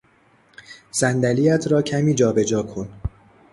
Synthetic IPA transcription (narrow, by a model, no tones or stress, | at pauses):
zænd̪æliːæt̪ʰɾɒːcʰæmiːd͡ʒɒːbe̞d͡ʒɒːkʰon